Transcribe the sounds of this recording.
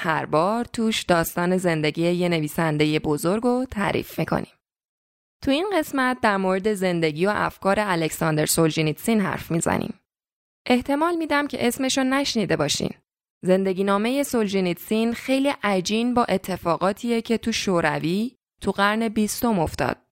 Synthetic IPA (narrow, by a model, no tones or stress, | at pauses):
hæɾbɒːɾt̪ʰuːʃd̪ɒːst̪ɒːne̞ze̞nd̪eɟiːeje̞ne̞viːsænd̪e̞je̞bozoɾɡo̞t̪ʰæ̰ːɾʔḭfmikʰo̰nḭm | t̪ʰuinɢe̞smæt̪̚ʰd̪æɾmoːɾe̞d̪e̞ze̞nd̪e̞ɟiːjoʔæ̰fkʰɒːɾeælecsɒːnd̪eɾsold͡ʒinit̪siːnɦæ̰ɾfmiːzæ̰nʔḭːm | ʔe̞ht̪ʰe̞mɒːlmiːd̪æmcʰe̞ʔe̞sme̞ʃonæʃniːd̪e̞bɒːʃḭːn | ze̞nd̪e̞ɟiːnɒːme̞je̞sold͡ʒinit̪sinxe̞jliːʔæd͡ʒiːnbɒːʔe̞t̪ʰːe̞fɒːɣɒːt̪ʰiːjecʰe̞t̪ʰuʃoːɾæviː | t̪ʰuɣæɾne̞bist̪o̞mo̞ft̪ɒ̰ːd̪̥̚